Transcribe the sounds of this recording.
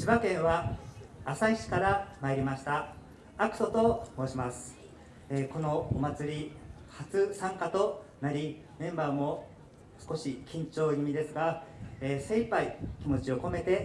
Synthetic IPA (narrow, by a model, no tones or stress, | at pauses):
ɕibakẽ̞ɰ̃βaː | saiɕi̥kaɾamaeɾʲimaɕi̥t̪aː | kɯ̟̥so̞t̪o̞mo̞ːɕimasɨ̥ | eko̞no̞omat͡sɨɾʲi | hat͡sɨsãŋkat̪o̞naɾʲi | mẽ̞mbaːmo̞ | sɨ̥ko̞ɕikʲĩɲt͡ɕo̞ːjimʲid̪e̞sɨɡaeːse̞ipaikʲimo̞t͡ɕio̞ko̞me̞t̪e̞